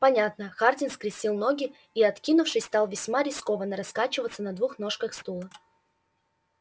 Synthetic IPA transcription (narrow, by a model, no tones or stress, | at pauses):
pɐnʲat̪nəxardʲɪnskɾʲɪsʲilˠno̞ɡʲɪ | iɐt̪kʲinʊfʂɨjʲst̪ɑlˠvʲɪsʲmaɾʲɪsko̞vənːəɾɐskat͡ɕɪvət̪sənɐd̪vuxno̞ʂkəxst̪ulˠə